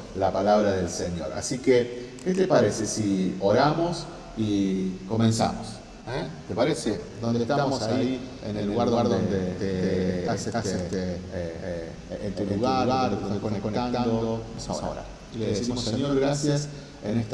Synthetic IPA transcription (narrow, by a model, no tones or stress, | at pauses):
lapalaβɾaðelseɲjo̰ɾa̰sikeket̪epaɾesesioɾamos | ikomẽnsa̰mos | et̪epaɾesed̪ond̪est̪aammosaiienelːuɣaɾðɣaɾðond̪et̪eeaseaeet̪e | ent̪uluɣaɾɣaɾd̪od̪ekonekoneandaooamosao̰sao̰ɾa̰ɾ | ileðeðsiioimoseɲoɾɣɾasjas | enest̪